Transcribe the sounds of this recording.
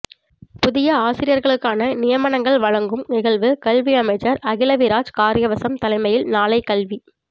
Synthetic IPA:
pʊðɪjɐaːsɪɾɪjɐɾɣɐɭɯkːaːnɐnɪjɐmɐnɐŋɡɐɭʋɐɻɐŋɡɯmnɪɣɐɭʋɯkɐlʋiɐmɐɪd͡ʒɐɾɐɣɪlɐʋɪɾaːd͡ʒkaːɾɪjɐʋɐsɐmt̪ɐlɐɪmɐjɪlnaːlɐɪkɐlʋi

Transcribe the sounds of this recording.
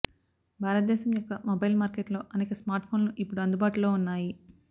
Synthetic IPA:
bʱaːɾɐt̪̚d̪ɛːʃɐmjɔkːɐmobɐjlmaːɾkeʈlo̞ːʔɐneːkɐsmaːɾʈpʰo̞ːnluʔipːuɽuɐnd̪ubaːʈulo̞ːunːaːji

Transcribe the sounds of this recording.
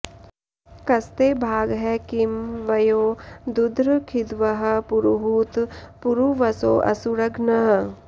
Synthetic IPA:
kɐst̪eːbʱaːɡɦɛkimʋɐjoːd̪ud̪ʱɾkʰid̪ʋɐɦɐ̆puɾuɦuːt̪puɾuʋɐso̰ːʔɐ̰suɾɐɡnɐɦɐ̆

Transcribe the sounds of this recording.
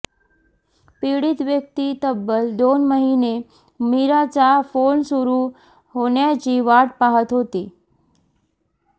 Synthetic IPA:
piɽit̪ʋjək̚t̪it̪əbːəld̪onməɦine | miɾat͡ɕafonsuɾu | ɦoɳjat͡ɕiʋaʈ̚paɦət̪ɦot̪i

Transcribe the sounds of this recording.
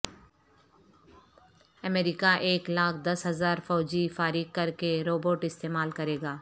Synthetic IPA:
ɐmeːɾɪkaʔeːklaːkʰd̪ɐsɦɐzaːɾfɔːd͡ʒifaːɾikkɐɾkeɾoːboːʈɪst̪eːmaːlkɐɾeːɡaː

